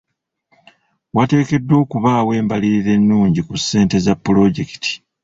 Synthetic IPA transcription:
wate̞ːke̞dːo̞ːkuβaːwe̞ːmbaliɾiɾe̞nːuːɲɟikusːe̞ːnte̞zapːulo̞ɟe̞ki̥tʰi̥

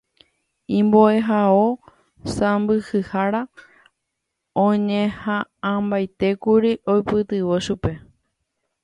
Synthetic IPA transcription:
ĩmboe̞ɦao | sãmbɨhɨhaɾa | õɲẽhããmbajt̪e̞kuɾiʔojpɨt̪ɨʋoʃupe̞

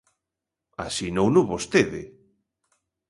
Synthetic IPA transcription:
a̰sinownʊβost̪eðɪ̰

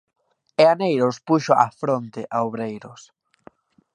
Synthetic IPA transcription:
eanejɾospuʃoʔa̰fɾont̪ɪʔaoβɾejɾʊs

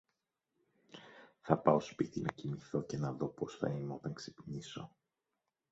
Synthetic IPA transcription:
θɐpɐo̞spit̪inɐcimiθo̞ce̞nɐðo̞po̞sθɐ̰ineo̞t̪ɐŋksepniso̞

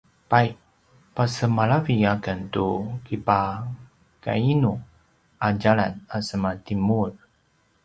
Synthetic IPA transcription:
pajʔ | pasəmaɾaviakəntukipa | ka̰inu | aɟalanasəmatimuɾ

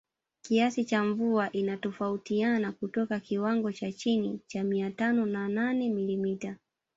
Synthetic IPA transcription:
kiasit͡ʃaɱvuaʔinatɔfautianakutɔkakiwaŋɡɔt͡ʃat͡ʃinit͡ʃamiatanɔnananɛmilimita

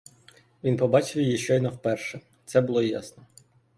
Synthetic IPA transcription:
ʋʲinpɔbɑt͡ʃɪwjijiʃt͡ʃɔɔd̪nɔwpɛrʃɛ | t̪sɛbʊlˠɔjɑ̰snɔ

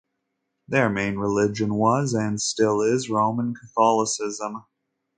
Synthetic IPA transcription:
ðə˞mẽɪ̃nɹɪlɪd͡ʒɨ̃nwʌzɨ̃nstɪlˠɪzɹõʊ̃mə̃nkʰəθɑlˠəsɪzə̃m

